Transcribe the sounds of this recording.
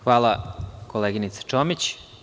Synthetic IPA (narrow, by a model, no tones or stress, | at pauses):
xʋaːlˠakoleɡinit̪sḁt͡ʃomit͡ɕ